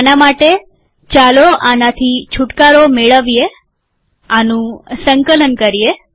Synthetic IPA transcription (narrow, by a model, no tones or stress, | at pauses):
anamaʈe | t͡ʃaloanat̪ʰit͡ʃʰʊʈkaɾomeɭəʋije | anũsəŋkələnkəɾije